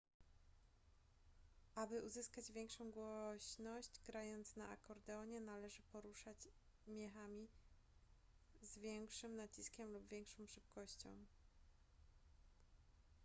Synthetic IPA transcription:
ʔabɘʔuzɘskad͡ʑvʲjɛŋkʂɔ̃w̃ɡwɔɕnɔɕd͡ʑɡɾajɔnt̪snaa̰kɔɾd̪ɛɔɲɛnalɛʐɘpɔɾuʂat͡ɕ | mʲjɛxamʲi | zvʲjɛŋkʂɘmnat͡ɕiskʲɛmlubvʲjɛŋkʂɔ̃w̃ʂɘp̚kɔɕt͡ɕɔ̰̃w̃

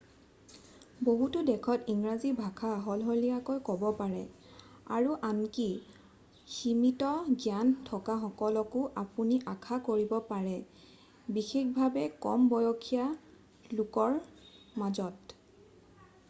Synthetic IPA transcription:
boɦutʊdɛkʰɔtiŋɹazibʱakʰaɦɔlɦɔjlijakojkɔbɔpaɹɛ | a̰ɹuʔanki | ximitɔɡjantʰɔkaxɔkɔlɔkʊʔapuniʔakʰakoɹibɔpaɹɛ | bixekbʱabɛkɔ̰mbɔjɔkʰija | lʊkɔɹmazɔt

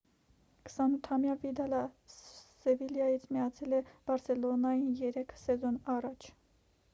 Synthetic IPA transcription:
kʰə̥sɑnut̪ʰhɑmjɑvid̪ɑlɑ | sɛviljɑjit͡sʰmijɑt͡sʰɛlɛb̥ɑɾsɛlɔnɑjinjɛɾɛkʰsɛzɔnɑrɑt͡ʃʰ

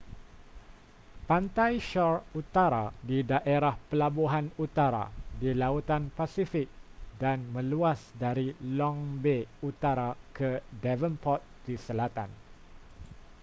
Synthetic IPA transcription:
pant̪ajʃɔrut̪aɾadidaʔeɾahpəlabuɦanut̪aɾa̰dilaut̪anpasifɪk̚danmə̃luasdaɾilɔŋbeut̪aɾakʰədɛvənpɔt̪̚d̥isəlat̪a̰n

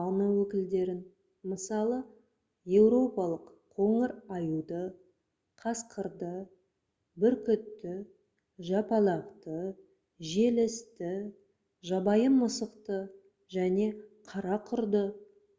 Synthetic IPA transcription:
nəwɵkʲɪld̪e̞ɾɪn | məsɑlˠə | je̞wɾo̞pɑlˠəqʰo̞ɴəɾɑjud̪ə | qʰɑsqəɾd̪ə | bɪɾkʲʏt̪ːɪ | ʒɑpɑlˠɑqt̪ə | ʒe̞lɪst̪ɪ | ʒɑbɑjənməsəqt̪ə | ʒæne̞qʰɑɾɑqʰʊɾd̪ə

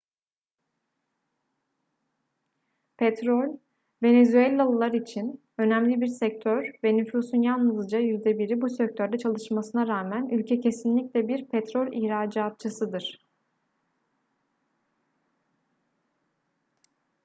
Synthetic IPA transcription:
pʰɛt̪ɾolʲ | ve̞nezyelʲalˠɯlˠaɾit͡ʃʰin | ø̞næmlʲibiɾsɛc̚t̪ʰøɾvɛnyfusunjalˠnɯzd͡ʒajyzd̪ɛbiɾibusɛc̚t̪ʰø̞ɾd̪ɛt͡ʃʰalˠɯʃmasɯnaɾaːmænylʲcʰɛcʰe̞sinlʲiclʲɛbiɾpʰɛt̪ɾo̞lʲihɾaːd͡ʒaːt̪̚t͡ʃʰɯsɯd̪ɯɾ̥

